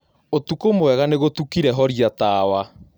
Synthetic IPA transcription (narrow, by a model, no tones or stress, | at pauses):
otukomwɛɣaneɣotukiɾɛɦɔɾiataːwa